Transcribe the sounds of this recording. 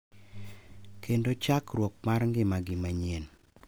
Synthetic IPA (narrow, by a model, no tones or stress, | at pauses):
kʰendot͡ʃakɾwɔk̚marŋɡɪmaɡɪmaɲen